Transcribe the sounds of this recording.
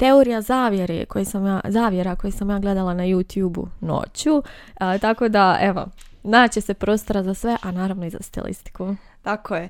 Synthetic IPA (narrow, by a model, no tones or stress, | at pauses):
t̪e̞oɾijazaːʋjeɾḛko̞jesamjaːzaːʋje̞ɾako̞jesamjaːɡle̞d̪alˠanajut̪juːbṵno̰t͡ɕut̪ako̞d̪ae̞ʋo̞̰naːt͡ɕe̞se̞pɾo̞ːst̪o̞ɾazasʋe̞ʔanaːɾaʋno̞iza̰st̪ḭlḭst̪i̥ku | t̪akoje